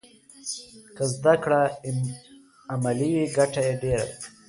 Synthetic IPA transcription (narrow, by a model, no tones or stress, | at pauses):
kəzd̪akɽa | amaliwiɡaʈajeɖeɾa̰d̪a